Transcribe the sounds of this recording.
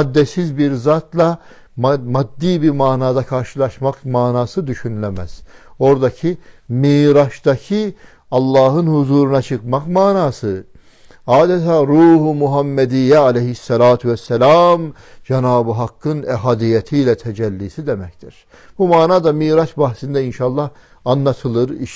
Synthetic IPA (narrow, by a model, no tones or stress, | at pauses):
ad̪ːɛsizbiɾzat̪lˠa | mmad̪ːiːbiɾmaːnaːd̪akʰaɾʃɯlˠɑʃmakmaːnaːsɯd̪yʃynlʲemæz̥o̞ɾd̪acʰimiːɾaʃd̪acʰi | ɑlˠːɑːɦɯnhuzuːɾunat͡ʃʰɯkmakmaːnaːsɯ | aːd̪ɛt̪ʰaːɾuːhumuɦamːɛd̪ijɛalejɦisːɛlaːt̪ʰvɛsːɛlaːm | d͡ʒɛnaːbɯɦakːɯnɛɦaːd̪ijɛt̪ʰiːlʲɛt̪ʰɛd͡ʒɛlʲːiːsid̪emɛct̪ʰiɾ̥ | b̥umaːnaːd̪amiːɾaʃbahsind̪ɛinʃaːlˠːɑh | anlːˠat̪ʰɯlˠɯɾiʃ